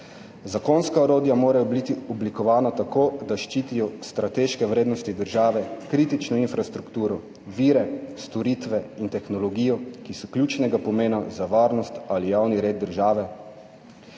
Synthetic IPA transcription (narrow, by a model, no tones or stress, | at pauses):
zakoːnskaɔɾoːd̪jamoːɾajɔbit̪iɔblikɔʋaːnat̪akoːd̪aʃt͡ʃiːt̪ijɔst̪ɾat̪eːʃkɛwɾeːd̪nɔst̪id̪əɾʒaːʋɛkɾiːt̪it͡ʃnɔinfɾast̪ɾukt̪uːɾɔ | ʋiːɾɛst̪ɔɾit̪ʋɛint̪ɛxnɔlɔɡiːjɔkisɔkljuːt͡ʃnɛɡapɔmeːnazaʋaːɾnɔst̪alijawniɾeːd̪̚d̪ːəɾʒaːʋɛ